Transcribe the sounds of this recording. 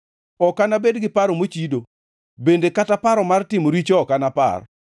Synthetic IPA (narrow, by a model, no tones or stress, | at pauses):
ɔkanabedɡɪpaɾomot͡ʃido | bendekatapaɾɔmartɪmoɾit͡ʃɔɔkanapa̰r